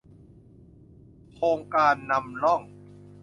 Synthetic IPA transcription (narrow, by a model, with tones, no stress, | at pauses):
kʰoː˧ŋkaː˧nːa˧mlɔ˥˩ŋ